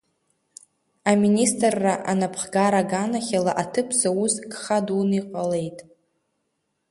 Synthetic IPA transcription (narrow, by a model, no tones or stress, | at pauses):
aministʼrːaʔa̰napʰχɡaɾaɡanaχʲalaʔatʰɨpʰzauzɡχaduniqʷʼale̞jtʼ